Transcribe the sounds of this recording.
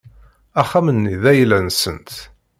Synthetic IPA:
æχːæmənːiðæjlːænsənt̪

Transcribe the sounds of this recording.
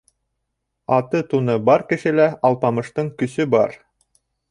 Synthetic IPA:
ɑt̪ɤt̪unɤbɑɾkɘ̆ʃɘ̆læɑlˠpɑmɤ̆ʃt̪ɤɴkɵ̆sɵbɑ̰ɾ

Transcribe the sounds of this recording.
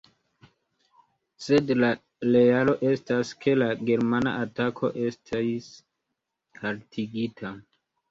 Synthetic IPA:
se̞dla | lealo̞ʔestaskʰe̞laɡe̞ɾmana̰ʔatakʰo̞̰ʔe̞stʰas | haɾtʰiɡitʰa

